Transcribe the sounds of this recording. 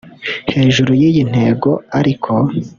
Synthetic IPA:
he̞ːʒuɾujijin̥he̞ːɡo̞aɾikʰo̞

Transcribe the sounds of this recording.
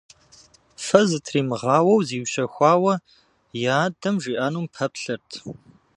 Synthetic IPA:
fɐzɨtʰriːmɨʁɑːwɐwziːwɕɐxʷɑːwɐ | jaːdɐmʒiːʔaːnuːmpʰɐpɬɨrtʰ

